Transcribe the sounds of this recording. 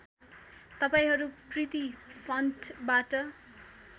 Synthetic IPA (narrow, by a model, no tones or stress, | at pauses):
t̪ʌpaĩɦʌɾuprit̪ipʰʌnʈbaʈʌ